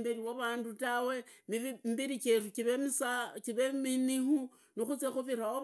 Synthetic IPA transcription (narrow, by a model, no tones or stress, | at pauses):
biɾiwoβaːndutawe̞mmbiɾikerukiβemisakiβeminihu | nixut͡sexuβiɾawo